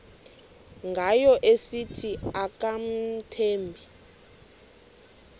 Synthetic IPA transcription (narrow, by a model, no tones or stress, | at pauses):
ŋɡʱajɔʔesitʰiak̬am̩tʰeːmbʱi